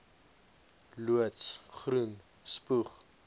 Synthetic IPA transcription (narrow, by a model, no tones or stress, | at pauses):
luətsχrun | spuχ